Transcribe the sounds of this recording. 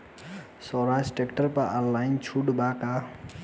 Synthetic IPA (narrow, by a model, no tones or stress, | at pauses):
sɔɾasʈekʈəɾpəɾʔalːajnt͡ʃʰuɽbaka